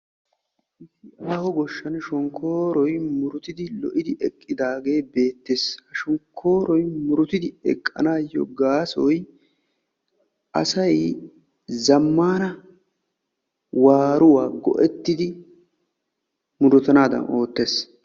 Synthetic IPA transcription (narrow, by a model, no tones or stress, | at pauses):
ʔɪʃɪʔaːhɔɡɔʃːɐnʃɔŋkʰːo̞ːɾɔjmʊɾʊt̪ɪd̪ɪlɔ̰ʔɪd̪ɪʔɛkʼːɪd̪aːɡe̞ːbe̞ːt̪ːeːshɐʃɔŋkʰːo̞ːɾɔjmʊɾʊt̪ɪd̪ɪɛkʼːɐ̰naːjːɔ̰ɡaːsɔj | ʔɐ̰sɐj | zɐmːaːnɐ | waːɾʊwaːɡɔ̰ʔɛt̪ːɪd̪ɪ | mʊd̪ɔt̪ɐnaːd̪ɐ̰no̞ːt̪ːeːs